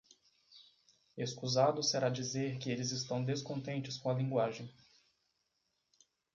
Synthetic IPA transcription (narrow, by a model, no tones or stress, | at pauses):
eskuzad̪ʊseɾad͡ʒizeɾkɪelɪzɪst̪ɐ̃w̃d̪eskõt̪ẽnt͡ʃɪskõɐlĩŋɡwaʒẽj̃